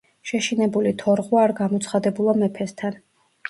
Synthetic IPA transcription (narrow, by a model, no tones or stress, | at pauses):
ʃɛʃinɛbulit̪ʰɔɾʁwaːɾɡamɔt̪sʰχad̪ɛbulˠamɛpʰɛst̪ʰan